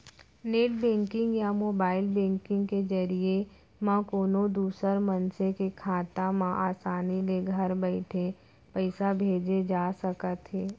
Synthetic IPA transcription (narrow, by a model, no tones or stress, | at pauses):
neːʈbẽːŋkɪ̃ŋɡjamoːbaːɪlbẽːŋkɪ̃ŋɡked͡ʒɐɾie | mãkoːnod̪uːsəɾmənsekekʰaːt̪amãʔaːsaːnileɡʱəɾbəɪʈʰe | pɛɪsabʱeːd͡ʒed͡ʒaːsəkət̪ʰeː